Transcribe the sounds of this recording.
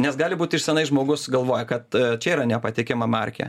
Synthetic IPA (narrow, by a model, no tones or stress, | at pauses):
nʲɛsɡɑːlʲɪbuːt̪ʲɪʃsʲɛnɐɪsʒmoːɡʊsɡɐlˠʋoːjɛkɐt̪t͡ʃʲɛiːɾɐnʲɛpɐt̪ʲɪkʲɪmɐmɐ̰rʲkʲɛ̰